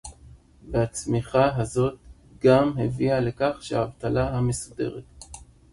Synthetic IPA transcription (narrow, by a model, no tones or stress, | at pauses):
behat͡smiχaɦazo̞t̪̚ | ɡamɦeviale̞kaχʃehaːvt̪alaɦame̞sude̞̰ʁet